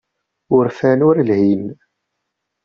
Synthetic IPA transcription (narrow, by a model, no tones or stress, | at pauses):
ʊɾfænʊɾlhin